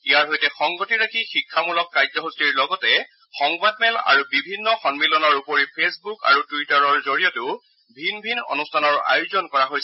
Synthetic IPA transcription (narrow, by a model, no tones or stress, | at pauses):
ijaɹɦojtɛxɔŋɡotiɹakʰixikʰːamulɔkːajzɔɦustiɹlɔɡɔtɛ | xɔŋbad̚mɛla̰ɹubibʱinːɔxɔnmilɔnɔɹupoɹipʰesbuka̰ɹutuwitaɹɔɹzoɹijɔtʊ | bʱinbʱino̰nustʰanɔɹa̰jʊzɔnkɔɹaɦojsɛ